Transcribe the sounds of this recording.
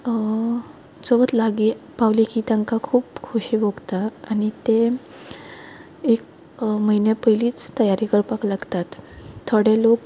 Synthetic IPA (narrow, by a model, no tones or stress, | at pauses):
t͡səʋət̪laɡipaʋlikiːt̪jãŋkakʰuːpkʰoɕiʋoɡt̪aañit̪e | ek | məinjapəjliːt͡st̪əjaɾikəɾpaklaɡt̪at̪t̪ʰːəɽelok